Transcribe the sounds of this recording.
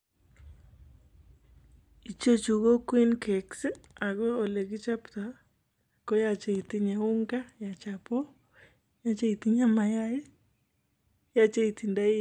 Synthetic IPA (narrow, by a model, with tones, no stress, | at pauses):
i˨t͡ʃo˦t͡ʃu˨ɣo˦kwi˦nke˨ksɪ˦a˨ɣe˦o˨le˨ɡɪ˦t͡ʃa˦pt̪a˨ | ko˦ja˦t͡ʃe˨i˨t̪i˦ɲe˨ʊ˦ŋɡa˦ja˨t͡ʃa˨po˦ | ja˦t͡ʃe˦i˨t̪i˦ɲa˦ma˨ja˦jɪ˦ | ja˦t͡ʃe˦i˨t̪i˨nda˦